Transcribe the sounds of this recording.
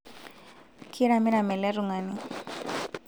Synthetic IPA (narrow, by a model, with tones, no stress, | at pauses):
kʰi˦ɾa˨mi˦na˨mɛ˨lɛ˦ɾu˨ŋa˨ni˦